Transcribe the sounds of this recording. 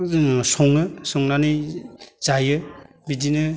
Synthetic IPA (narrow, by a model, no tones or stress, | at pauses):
sɔŋɯsɔŋnaniz̥ajɯ | bidinɯ